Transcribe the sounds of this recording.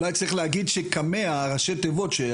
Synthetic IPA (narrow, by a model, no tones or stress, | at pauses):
lajt͡sʁiχleaɡid̪ʃekameaʁaʃetevo̞tʃe